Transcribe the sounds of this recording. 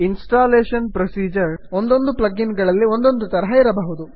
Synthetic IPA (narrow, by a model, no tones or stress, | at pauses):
insʈaːleːʃɐnpɾosiːd͡ʒɐɾond̪o̞nd̪uplɐɡinɡɐɭɐlːiond̪o̞nd̪ut̪ɐɾɐɦɐiɾɐbɐɦud̪u